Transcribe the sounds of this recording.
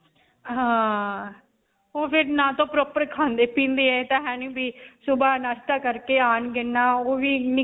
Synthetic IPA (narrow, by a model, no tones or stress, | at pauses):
ɦãː | oːpʰɪɾnãːt̪õːpɾɔːpəɾkʰãːnd̪eːpĩːnd̪eːɛːt̪ãːɦɛ̃ːnĩːbiːsʊbaːnaːʃt̪aːkəɾkeːaːnɡɪnːaːoːʋiːnɪ